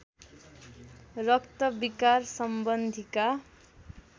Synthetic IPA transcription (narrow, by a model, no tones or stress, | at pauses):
rʌkt̪ʌbikarsʌmbʌnd̪ʱika